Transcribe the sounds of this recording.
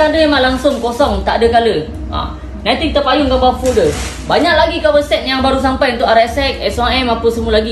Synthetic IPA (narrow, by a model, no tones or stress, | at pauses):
adəemãlaŋsʊŋkosɔŋt̪aʔadəkalə | a̰ | nat̪iŋt̪əpajuŋkabafodə | baɲak̚laɡikawəsɛt̪̚jaŋbaɾus̬ampajunt̪ʊʔaɾɛsɛk̚ɛsaɛmapəsəmulaɡi